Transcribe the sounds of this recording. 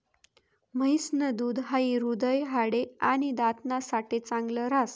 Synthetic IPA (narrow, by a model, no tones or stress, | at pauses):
məisnəd̪uːd̪ɦaiɾud̪əjɦaɽeañid̪at̪nasaʈet͡sãŋɡləɾas